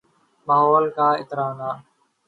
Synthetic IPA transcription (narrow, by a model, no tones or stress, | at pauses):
maːɦoːlkaːɪt̪ɾaːnaː